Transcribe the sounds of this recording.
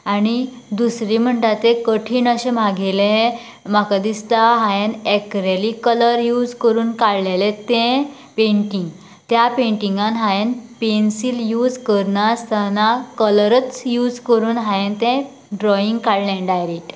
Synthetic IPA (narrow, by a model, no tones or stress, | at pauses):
aɽ̃i | d̪usɾiːm̤əɳt̪at̪ẽkəʈʰiːnəɕẽm̤aɡele | makad̪ist̪aɦajenɛkɾelikələɾjuːd͡zkəɾuːnkaɽlelet̪ɛ̃ | pẽɳʈiŋɡ | t̪japẽɳʈiŋɡãnɦajenpensiljuːd͡zkəɾnast̪ʰanakələɾət͡sjuːd͡zkəɾuːnɦajent̪ɛ̃ | ɖɾɔiŋɡkaɽlẽɖajɾeʈ